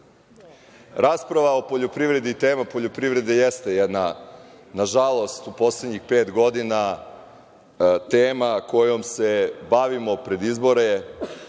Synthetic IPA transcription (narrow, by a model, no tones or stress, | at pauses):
ɾaːspɾaʋao̞po̞ʎopɾivɾe̞d̪iːt̪eːmapoʎopɾivɾe̞d̪ejɛst̪ejɛd̪na | naʒalˠo̞st̪upo̞sled̪ɲixpeːt̪ɡo̞d̪ina | t̪eːmako̞jo̞msebaʋimo̞pɾe̞d̪izbo̞ɾe